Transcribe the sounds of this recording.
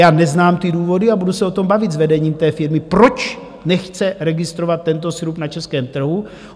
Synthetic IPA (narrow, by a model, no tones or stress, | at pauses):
jaːnɛznaːmt̪ɪduːvo̞dɪabudusɛo̞t̪o̞mbavɪt̪zvɛdɛɲiːmt̪ɛːfɪɾmɪpɾo̞t͡ʃ | nɛxt͡sɛɾɛɡɪst̪ɾo̞vat̪ːɛnt̪̬o̞sɾupnat͡ʃɛskɛːmt̪r̩ɦu